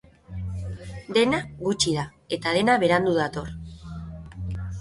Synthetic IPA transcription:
d̪e̞naɣut͡ʃiða | e̞t̪að̞e̞naβe̞ɾand̪uð̞at̪o̞r

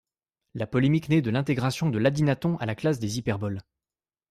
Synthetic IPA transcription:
lapɔlemiknɛd̪əlɛ̃t̪eɡʁasjɔ̃d̪əlad̪inat̪ɔ̃ʔalaklasd̪ezipɛʁbɔl

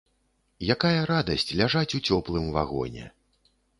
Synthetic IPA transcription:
jakajɐɾad̪ɐsʲt͡sʲlʲaʐat͡sʲut͡sʲɔplˠɨmva̰ɣɔ̰nʲɛ̰

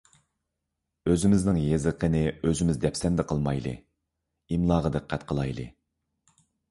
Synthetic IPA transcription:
øzɪmɪznɪŋjezəqʰənɪøzɪmɪzd̪ɛpsɛnd̪ɛqʰəlˠmɑjlˠɨ̰ | imlˠɑːʁəd̪ɨqʰːæt̪̚qʰəlˠɑjlˠɨ̰

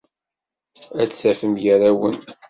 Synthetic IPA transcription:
æt͡ssæfəmʝəɾæwən

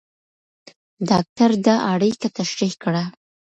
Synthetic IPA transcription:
dɑk̚t̪aɾd̪aʔaɽikat̪aʃɾihkɽa

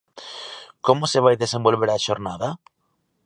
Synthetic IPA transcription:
komoseβ̞ajðese̞mbo̞lβeɾaʃoɾnaða

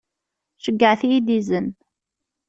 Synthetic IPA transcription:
ʃəɡːəʕθjid̪izən

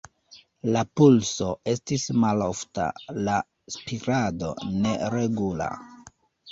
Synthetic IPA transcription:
lapulso̞e̞stismalo̞fta̰la | spiɾado̞̰ne̞ɾe̞ɡula̰

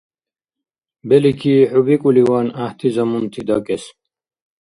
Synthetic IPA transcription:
belikʰiħubikuliwaːnaht̪ʰizɐmumt̪ʰid̪ɐkes

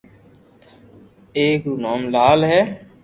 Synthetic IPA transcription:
eːkɾuːnaːmlaːlɦɛː

